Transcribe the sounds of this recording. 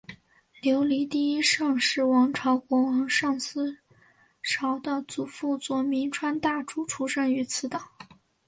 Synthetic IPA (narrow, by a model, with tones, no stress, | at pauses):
ljo˧˥ʊli˧˥t̪i˥˧i˥ʂɑ˥˧ŋʂɻ̩˥˩wɑ˧˥ŋʈ͡ʂʰɑ˧˥ʊkwɔ˧˥wɑ˧˥ŋʂɑ˥˧ŋsɹ̩˥ | ʈ͡ʂʰɑ˧˥ʊd̪ə˧t͡su˨˩fu˥˩t͡swɔ˧˩mi˧˥nʈ͡ʂʰwa˥nt̪a˥˩ʈ͡ʂu˥ʈ͡ʂʰu˥ʂə˥˩ny˧˥t͡sʰɹ̩˧˥t̪ə˨˩˦ŋ